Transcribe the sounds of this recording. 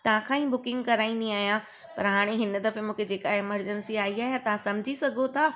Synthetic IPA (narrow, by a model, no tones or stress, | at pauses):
t̪ɐʋ̤ãkʰãːĩːbʊkɪ̃ŋɡkɐɾaːĩnd̪ĩaːɦijã | pɐ̰ɾɦaːɽ̃eɦɪnə̆d̪ɐfemũːkʰed͡ʑeːkaeməɾd͡ʑənsiaːiaːɦeat̪ɐʋ̤ãsɐmɪd͡ʑʱisɐɡʱot̪ʰaː